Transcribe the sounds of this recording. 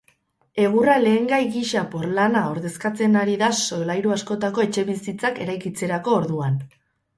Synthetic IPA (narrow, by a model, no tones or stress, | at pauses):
e̞ɣ̞urale̞ːŋɡajɣiʃapoɾlanao̞ɾðe̞skat͡se̞naɾiðaso̞lajɾuasko̞t̪ako̞et͡ʃe̞βisit͡sake̞ɾajkit͡se̞ɾako̞ːɾðuan